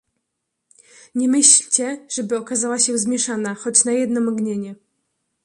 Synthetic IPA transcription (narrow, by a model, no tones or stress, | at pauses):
ɲɛmɘɕlʲt͡ɕɛʐ̥ɛbɘɔkazawaɕɛzmʲjɛʂanaxɔt͡ɕnajɛd̪nɔmaɡɲeɲɛ